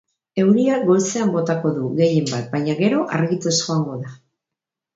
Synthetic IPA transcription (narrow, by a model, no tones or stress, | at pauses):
e̞wɾiaɡo̞lse̞ambo̞t̪ako̞ðuɣe̞je̞mbat̪̚baɲaɣe̞ɾo̞ʔaɾɣit̪esuaŋɡo̞ða